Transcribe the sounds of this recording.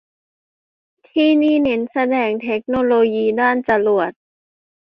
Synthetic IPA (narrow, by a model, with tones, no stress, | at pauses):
t̪ʰiː˥˩niː˥˩ne˨˩˦nsa˧dɛː˧ŋt̪ʰe˦˥k̚noː˧loː˧jiː˧daː˥˩nt͡ɕa˧lu˨˩ət̪̚